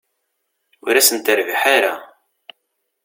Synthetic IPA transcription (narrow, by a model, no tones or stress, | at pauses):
ʊɾæsənt̪əɾviħaɾa